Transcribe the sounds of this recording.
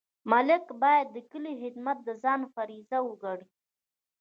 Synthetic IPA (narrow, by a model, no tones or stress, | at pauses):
malɪkbɑjad̪ːəkəliɦɪd̪mat̪̚d̪əzɑnfaɾizawəɡaɽi